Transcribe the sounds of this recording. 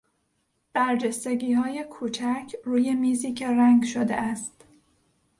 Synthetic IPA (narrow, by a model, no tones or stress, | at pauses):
b̥æɾd͡ʒest̪eɡiːhɒːje̞kʰuːt͡ʃʰæcʰruːjemiːziːcʰe̞ɾæŋɡʃod̪ḛʔæst̪